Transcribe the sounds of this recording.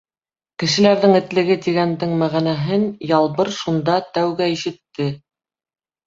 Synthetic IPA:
kɘ̆ʃɘ̆læɾðɘŋɘ̆t̪lɘ̆ɡɘt̪iɡænd̪ɘŋmæʁænæɦɘnjɑlˠβɤɾʃund̪ɑt̪æwɡæiʃɘ̆t̪ːɘ

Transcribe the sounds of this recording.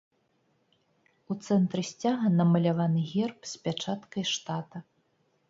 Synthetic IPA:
ut̪sɛnt̪ɾɨsʲt͡sʲaɣɐnɐmɐlʲavanɨɣʲɛrpsʲpʲat͡ʂat̪kɐjʂt̪at̪ɐ

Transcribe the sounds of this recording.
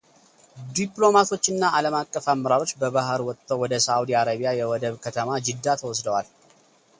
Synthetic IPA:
d̪iplo̞mat̪ʰo̞t͡ʃːɨnːaʔaləmakʼːəfamːəɾaɾo̞t͡ʃːbəβaɦəɾwɔt̪ʼːʰowɔd̪əsawud̪iaɾaβijajɛwɔd̪əβkʰət̪ʰəmad͡ʒɨd̪ːat̪ʰəwɔsd̪əwal

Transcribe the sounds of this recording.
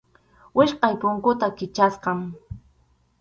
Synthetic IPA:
wɪʃqɑjpʊŋkʊt̪akɪt͡ʃasqɑŋ

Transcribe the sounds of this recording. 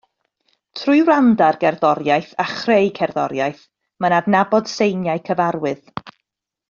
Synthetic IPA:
tʰrʊɨwrandarɡɛrðɔɾjajθaχrejkʰɛrðɔɾjajθ | mənadnabɔd̥sejnjaɨkʰəvaɾwɨð

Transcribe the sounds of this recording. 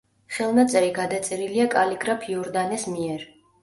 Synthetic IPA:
χɛlˠnat̪sʼɛɾiɡad̪at̪sʼɛɾiliakʼaliɡɾapʰiɔɾd̪anɛsmiɛɾ

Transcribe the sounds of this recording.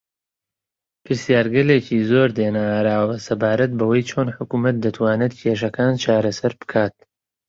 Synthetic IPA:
pʰɨɾsijaːɾɡɐleːciːzoːɾd̪eːnaɾaːwɐsɐbaːɾɐt̪̚bɐwɐjt͡ʃʰoːnħʊkumɐt̪̚d̪ɐt̪ʰwaːnɛt̪̚cʰeʃ̬ɐkaːnt͡ʃʰaːɾɐsɐɾb̥ɨ̥kʰaːt̪̚

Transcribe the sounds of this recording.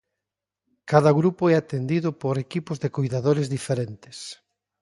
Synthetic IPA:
kaðɐɣɾupʊɛat̪end̪iðʊpoɾekipʊzðekojðaðoɾezðifeɾent̪ɪ̥s

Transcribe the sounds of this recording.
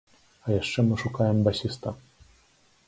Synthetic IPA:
ajɛʂt͡ʂɛmuʂukawɛmbaɕist̪a

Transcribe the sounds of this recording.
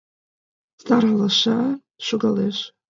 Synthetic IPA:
zdaralaʃʷa | ʃʷʊɡaleːʃʷ

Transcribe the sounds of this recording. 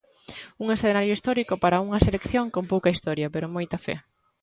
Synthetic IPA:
uŋesθenaɾjoist̪ɔɾikʊpaɾɐuŋɐselekθjoŋkompowkɐist̪ɔɾjɐpeɾʊmojt̪ɐfɛ̰

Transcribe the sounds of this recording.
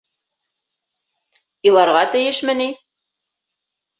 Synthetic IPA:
ilˠɑɾʁɑt̪ɘ̆jɘʃmɘ̆ni

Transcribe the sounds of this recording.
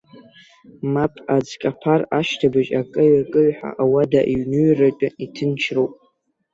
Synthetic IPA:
mapʰʼad͡zkʼapʰaraʃtʰabaʒakʼɨɥakʼɨɥħa̰ʔawadaʔiɥnɨɥrat͡ʃʷʼaitʰɨnt͡ʃʰrowpʼ

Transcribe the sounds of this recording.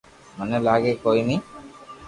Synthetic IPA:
anelaɡekojni

